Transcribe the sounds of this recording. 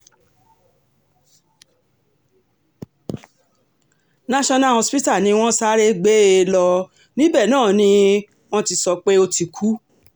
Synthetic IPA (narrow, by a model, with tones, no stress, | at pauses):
nã˦ʃɔ̃˧nã˦˨o˧spi˦ta˦˨nĩ˧˦w̃ɔ̃˦sa˦ɾe˦ɡ͡be˨˦e˧lɔ˧ | nĩ˦bɛ˦˨nãː˦˨nĩ˧˦ | w̃ɔ̃˦ti˧sɔ˧k͡pe˦o˧ti˧kʰu˨˦